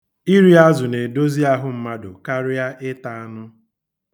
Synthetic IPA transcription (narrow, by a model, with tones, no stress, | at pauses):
i˦ɾi˦a˦zʊ˨ne˨do˦zi˦a˦ɦʊ˦m̩˦ma˦dʊ˨ka˦ɾɪ˦a˦ʔɪ˦ta˨a˦nʊ˦